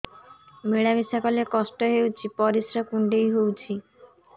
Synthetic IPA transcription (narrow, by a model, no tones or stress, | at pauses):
meɭabisakɔlekɔsʈɔɦewt͡ʃʰipɔɾisɾakuɳɖejɦowt͡ʃʰi